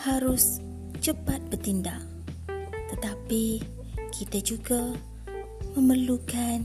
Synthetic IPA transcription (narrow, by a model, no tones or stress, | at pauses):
haɾʊs | t͡ʃəpat̪̚bərt̪indaʔ | t̪ət̪api | kʰit̪ad͡ʒuɡa | məmərlukan